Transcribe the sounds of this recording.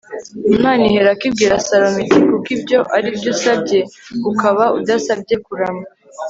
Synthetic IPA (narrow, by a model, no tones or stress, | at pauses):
imaːnihe̞ɾakib̚ɡiːɾasaɾomitikukibɟo̞ʔaɾibɟuːsabɟe̞ukaβaud̪asabɟe̞kuɾama